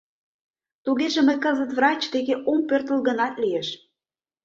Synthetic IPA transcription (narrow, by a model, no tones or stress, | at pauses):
t̪uɣeʒĕmə̆jkɤzə̆t̪vrɑt͡ɕt̪eɣeʔompørt̪ə̆lɣə̆nɑt̪lijeʃ